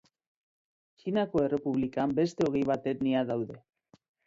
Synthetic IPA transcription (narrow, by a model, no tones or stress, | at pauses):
t͡ʃinako̞e̞re̞puβlikambe̞st̪e̞o̞ɣejβ̞at̪e̞kniaðawðe̞